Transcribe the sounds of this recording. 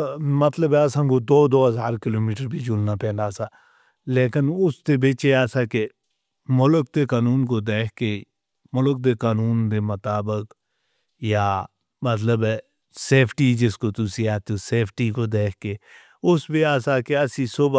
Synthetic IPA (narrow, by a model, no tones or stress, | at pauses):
mɐt̪ləbɛɐsãkod̪oːd̪oːɦəzaːɾkɪloːmiːʈəɾbʱid͡ʒʊlnapɛ̃ːnd̪aːsa | leːkɪnʊst̪ebeːt͡ʃeaːsake | mʊlək̚d̪ekaːnuːnkod̪eːkʰke | mʊlək̚d̪ekaːnuːnd̪emɐt̪aːbək | ja | mət̪ləbɛ | seːpʰʈid͡ʒɪskot̪ʊsiaːt̪oseːpʰʈikod̪eːkʰke | ʊsbeaːsakeɐsisʊb